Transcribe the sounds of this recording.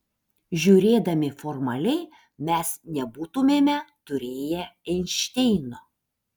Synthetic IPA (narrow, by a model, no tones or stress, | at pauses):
ʒʲuːɾʲeːd̪ɐmʲɪfɔɾmɐlʲɛɪ | mʲɛsnʲɛbuːt̪ʊmʲeːmʲɛt̪ʊɾʲeːjɛɛnʲʃʲt̪ʲɛɪnoː